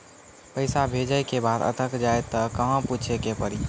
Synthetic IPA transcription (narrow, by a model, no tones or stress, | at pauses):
pəɪsabʱed͡ʒəjkebad̪ə̰t̪ʰəkd͡ʒaet̪əkəɦə̃put͡ʃʰekepəɾi